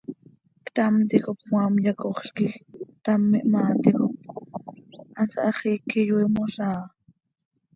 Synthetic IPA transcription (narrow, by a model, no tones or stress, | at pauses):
kt̪amt̪ikop̚mwamjakoχɬkixt̪amːiʔmaːt̪ikop̚ | ʔansaʔɑχikijwimosaː